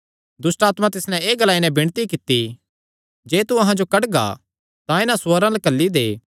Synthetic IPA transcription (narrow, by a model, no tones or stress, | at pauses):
d̪ʊsʈaːt̪mãt̪ɪsnɛ̃eːɡɐlaːinɛ̃bɪɽ̃t̪ikɪt̪ːi | d͡ʒeːt̪uɐɦãd͡ʒokɐʈɡa̰ | t̪ãɪnãsoɾãlɐkɐlːid̪eː